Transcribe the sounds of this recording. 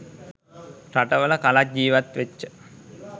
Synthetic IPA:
ɾaʈəʋələkalak̚d͡ʒiːʋat̪ʋet͡ʃːə

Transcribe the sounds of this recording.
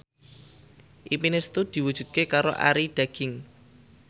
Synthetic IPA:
ʔipinest̪ud̪̥i̤wud̥ʒ̥ṳd̪̚kekaɾo̰ʔa̰ɾid̪̥ä̤ɡ̥ɪ̤ŋ

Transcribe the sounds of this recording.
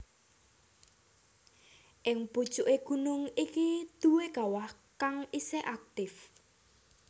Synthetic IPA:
ʔɪŋpud̥ʒ̥uʔeɡ̥unʊŋikid̪̥uweɡ̥a̤wah | kaŋiseʔak̚t̪ɪf

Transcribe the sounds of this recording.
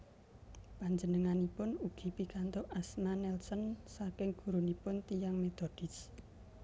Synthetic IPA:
paɲd͡ʒənəŋanipʊnuɡ̥i̤pikant̪oʔasmanɛlsɔnsakɪŋɡ̥ṳɾunipʊnt̪ijaŋmet̪od̪̥i̤s

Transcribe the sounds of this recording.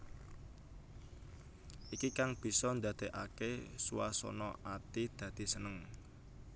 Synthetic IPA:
ʔikikaŋb̥i̤sɔnd̪a̤d̪̥e̤ʔa̰kesuwasɔ̰nɔʔat̪id̪̥a̤d̪̥i̤sənəŋ

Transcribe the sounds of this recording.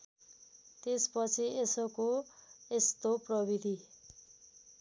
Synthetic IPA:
t̪espʌt͡sʰiesʌkoest̪oprʌbid̪ʱi

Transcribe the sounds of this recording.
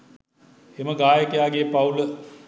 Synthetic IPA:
eməɡaːjəkəjaːɡeːpaulə

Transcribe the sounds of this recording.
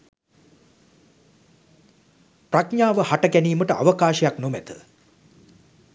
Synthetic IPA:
prakɲaːʋəhaʈəɡæniːməʈəʔa̰ʋəkaːʃɐjaknomæt̪ə̥

